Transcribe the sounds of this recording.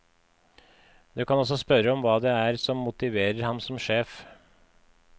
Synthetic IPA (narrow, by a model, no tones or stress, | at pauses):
d̪ʉːkɑnɔsɔspœɾəɔmʋɑːd̪ɛæɾsɔmːʊt̪ɪʋeːɾəɾhɑmsɔmʃeːf